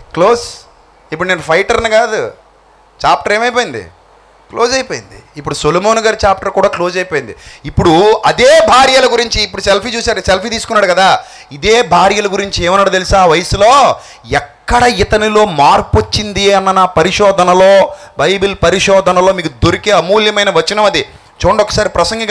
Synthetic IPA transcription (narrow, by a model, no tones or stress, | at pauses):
kloːs | ip̬ːuɽneːnupʰɐjʈɐɾnɐkaːd̪u | t͡ʃaːp̚ʈɐɾeːmɐjp̬oːjind̪ḭ | klo̞ːd͡ʒɐjpoːjind̪ḭːpːuɽusolomoːnuɡaːɾit͡ʃaːp̚ʈɐɾkuːɽaːklo̞ːd͡ʒɐjpojind̪iipːuɽuɐd̪eːbʱaːɾjɐlɐɡuɾiɲt͡ʃiːpːuɽuselpʰiːt͡ʃuːsaːɾselpiːt̪̬iːsu̥kunːaːɽukɐd̪aː | id̪eːbʱaːɾjɐlɐɡuɾiɲt͡ʃieːmɐnːaːɽɐt̪elisaːʋɐjɐsuloː | ɛkːɐɽɐit̪ɐnilo̞ːmaːɾpot͡ʃːind̪iɐnːɐnaːpɐɾiʂɔːd̪ʱɐnɐloːbɐjbilpɐɾiʂɔːd̪ʱɐnɐloːmiːkud̪oɾikiɐmuːljɐmɐjnɐʋɐt͡ʃːinɐmɐd̪i | t͡ʃoʋɐɳɖɔkːɐ̥saːɾipɾɐsɐŋɡɐ